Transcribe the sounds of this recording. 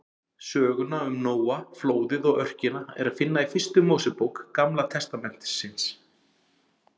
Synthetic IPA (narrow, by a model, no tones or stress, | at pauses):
sœːɣʏnaʏmnoːwafloːwðɪðɔɣœr̥cɪnaɛ̰ɾaðfɪnːaifɪrst̪ʏmoːwsɛpowkːamlat̪ʰɛst̪amɛn̥t̪sɪns